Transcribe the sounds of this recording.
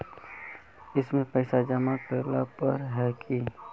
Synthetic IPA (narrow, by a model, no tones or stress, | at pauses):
ɪsmẽpɛɪsad͡ʒəmakəɾlapəɾɦɛki